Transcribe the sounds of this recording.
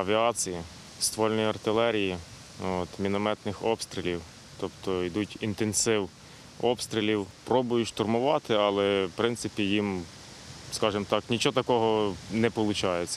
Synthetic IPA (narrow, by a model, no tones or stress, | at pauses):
ɐʋʲiɑt͡sʲiji | st̪ʋɔlʲnɔjiɐrt̪ɪlˠɛɾʲiji | ot̪mʲinɔmɛt̪nɪxɔpst̪ɾʲɪlʲiw | t̪ɔpt̪ɔid̪utʲint̪ensɪw | ɔpst̪ɾʲɪlʲiwpɾɔbʊjʊʃt̪ɔrmʊʋɑt̪ɪɑlˠɛpɾɪnt̪sɪpʲijim | skɑʒɪmt̪ɑknʲit͡ʃɔt̪ɐkɔɦɔnɛpɔlˠʊt͡ʃɑjet͡sʲːɐ̥